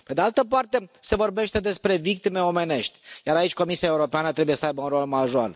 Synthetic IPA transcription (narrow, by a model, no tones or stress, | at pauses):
ped̪ealt̪əpart̪e̞se̞vo̞rbe̞ʃt̪e̞d̪e̞spɾe̞vik̚t̪ime̞o̞me̞ne̞ʃt̪ʲjaɾait͡ʃʲko̞misiaeuɾo̞peanət̪ɾe̞buje̞səajbəunro̞lmaʒoal